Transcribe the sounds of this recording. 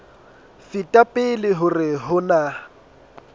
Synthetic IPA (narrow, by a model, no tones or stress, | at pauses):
fɪtʼapʼɪlɪɦʊrɪɦʊna